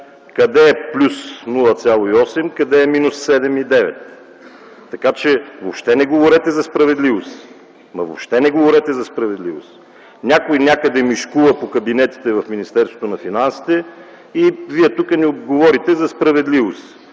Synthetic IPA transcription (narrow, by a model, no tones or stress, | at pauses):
kɐd̪ɛplʲusnulˠɐt̪sʲalˠoiɔsɛmkɐd̪ɛːminussɛd̪ɛmid̪ɛvɛ̰t̪ː | ɐkat͡ʃɛvopʃt̪ɛnɛɡovoɾɛt̪ɛzɐspɾɐvɛd̪livos | mɐvo̰pʃt̪ɛnɛɡovoɾɛt̪ɛzɐspɾɐvɛd̪livo̰s | nʲakojnʲakəd̪ɛmiʃkuvɐpokɐbinɛt̪i̥t̪ɛvɐfminist̪ɛɾsvot̪onɐfinansi̥t̪ɛ | iviɛt̪ukənioɡovɔɾit̪ɛzɐspɾɐvɛd̪livos